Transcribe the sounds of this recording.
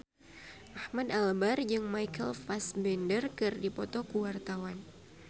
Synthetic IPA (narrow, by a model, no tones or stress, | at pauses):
ʔahmadalbard͡ʒɨŋmajkəlfasbɛndərkɨrdipɔt̪ɔkuwart̪awan